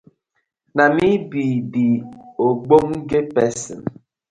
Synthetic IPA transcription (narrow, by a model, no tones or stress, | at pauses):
namibidioɡ͡boŋ̩ɡepɛsḭn